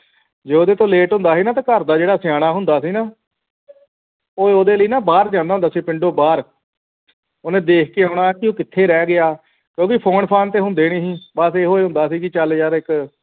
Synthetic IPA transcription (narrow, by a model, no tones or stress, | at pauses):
d͡ʒeːoːd̪eːt̪õːleːʈɦʊ̃nd̪aːsiːnaːt̪ãːkəɾd̪aːd͡ʒeːɽaːsɪjaːɽ̃aːɦʊnd̪aːsiːnaː | oːoːd̪eːləiːnaːbaːɾd͡ʒãːnd̪aːɦnd̪aːsiːpɪɳɖoːbaːɾ | oːnẽːd̪eːkʰkeːaːʊɽ̃aːkɪoːkɪt̪ʰːeːɾɛːɡɪaː | kjõːkɪpʰoːnpʰaːnt̪eːɦʊnd̪eːnĩːsiːbəseːɦoːeːɦʊ̃nd̪aːsiːkɪt͡ʃəljaːɾɪk